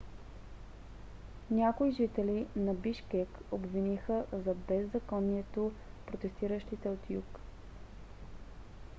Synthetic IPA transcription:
nʲakoiʒit̪ɛlinɐbiʃkɛkobvinixəzɐbɛzːɐkɔniɛt̪o | pɾot̪ɛst̪iɾəʃt̪it̪ɛot̪juk

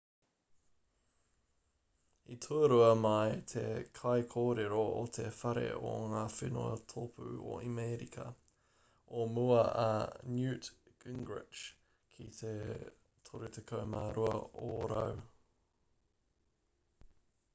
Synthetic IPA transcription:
it̪ʰuəɾuɐmɐjt̪ʰekʰɐjkʰoːɾeɾoot̪ʰefɐɾḛo̰ŋaːfɪnuɐ̰t̪ʰopʰʉ̰o̰imeːɾikʰɐ̰ | ʔomuɐʔɐ̰njʉːtɡ̥ɪŋɡɹɪ̰t͡ʃ | kʰit̪ʰe | t̪ʰoɾut̪ʰekʰɐwmaːɾuɐoːɾɐ̰w

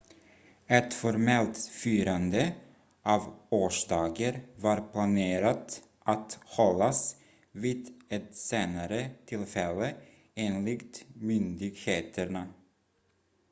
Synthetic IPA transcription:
ɛt̪fɔɾmɛlt̪fyːɾand̪ə | ʔɑːvoːʂd̪ɑːɡəɾvaɾpʰlaneːɾat̪ | ʔat̪hɔlːas | viːd̪ɛt̪seːnaɾət̪ʰɪlfɛlːə | eːnlɪkt̪mʏnd̪ɪɡheːt̪ʰəɳa

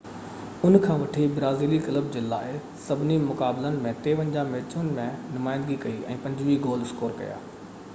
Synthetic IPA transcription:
ʊnkʰãːʋɐʈʰibɾaːziːlikɪləb̚d͡ʑeːla̰ːɪ | sɐbʱɪnimʊkaːblənɪ̆mẽt̪eːʋə̃ɲd͡ʑãmeːt͡ɕʊnɪ̆mẽnʊmaːɪ̃nd̪ɡikɐiʔɛ̰̃ːpɐ̃ɲd͡ʑʋiɡoːlɪskoːɾkɐ̰ja̰ː

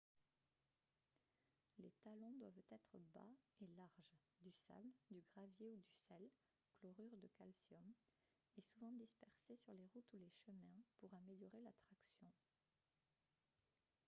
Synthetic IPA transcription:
let̪alɔ̃d̪wavt̪ɛt̪χəba̰elaʁʒ | d̪ysa̰bd̪yɡʁavjeud̪ysɛl | klɔʁyʁd̪əkalsjɔm | esuvɑ̃d̪ispɛʁsesyʁleʁut̪uleʃəmɛ̃puʁameljɔʁelat̪χaksjɔ̃

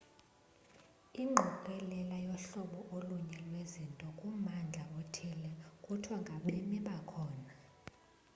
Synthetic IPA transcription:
iŋ͡ǃʱuǃʼɛlɛlajɔɬɔɓɔʔoluɲɛlwezintʼɔkʼumand͡ɮʱaotʰilɛkʼutʰwaŋɡʱaɓemiɓakʰɔːna

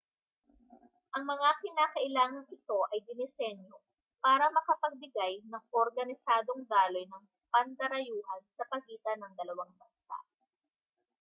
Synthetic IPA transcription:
ʔɐŋmɐŋakɪnaːkɐʔɪlaːŋɐŋʔɪt̪o̞ʔɐjd̪ɪnɪsɛnjo | paːɾɐmɐkɐpɐɡ̚bɪɡajnɐŋoɾɡɐnɪsaːd̪o̞ŋd̪aːlo̞jnɐŋ | pɐnd̪ɐɾɐjuːhɐnsɐpɐɡiːt̪ɐnɐŋd̪ɐlɐwaŋbɐnsa̰ʔ

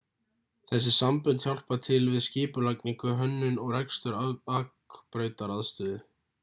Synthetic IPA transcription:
θɛsːɪsampʏnt̪hjawl̥pat̪ʰɪlvɪðscɪːpʏlakniŋkʏɦœnːʏnɔɣrɛkst̪ʏɾaak | pɾœːɥt̪aɾaðst̪ʏːðɪ

